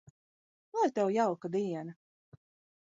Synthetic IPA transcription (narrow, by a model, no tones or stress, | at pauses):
vaɾt̪ɛwjawkad̪iɛnɐ